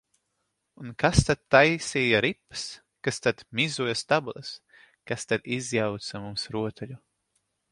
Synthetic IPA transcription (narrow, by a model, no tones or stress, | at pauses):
unkast̪at̪ːajsiːjaɾipːɨ̥s | kast̪ad̪mʲizujast̪abulˠɐs | kast̪ad̪izjawt̪samumsɾuɔt̪ʰɛʎu